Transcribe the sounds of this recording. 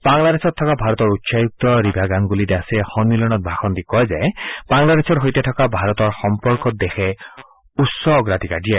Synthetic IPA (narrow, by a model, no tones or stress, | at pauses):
baŋlad̪esʰɔt̪ʰːɔkabʱaɾɔt̪ɔɾutːsajuk̚t̪ɔɾibʱaɡaŋɡulid̪asehɔnmilɔñɔt̪̚bʱaxɔnd̪ikɔezajb̥aŋlad̪esʰɔɾɦojt̪et̪ʰɔkabʱaɾɔt̪ɔɾxɔmpɔɾkɔt̪̚d̪exʰe | utsɔɡɾat̪ikaɖia